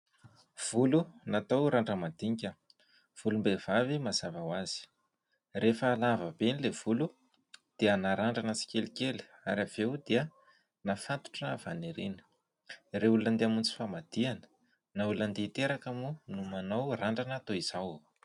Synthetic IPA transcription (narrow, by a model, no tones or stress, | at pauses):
v̥ulunat̪owɾaɳɖ͡ʐəmad̪̥iŋkʲə | v̥ulumbev̥avimaz̥avawaz̥i̥ | refəlavəbenilev̥ulu | d̪̥iənaɾaɳɖ͡ʐanəsi̥kʲelikeli̥a̰ɾav̥ewd̪iə | nafant̪u̥ʈ͡ʂəv̥aneɾenə̥ | reulunənd̪eamunt͡si̥famad̪̥ianə̥ | naulunand̪et̪eɾakamunumanowraɳɖ͡ʐanat̪oiz̥aw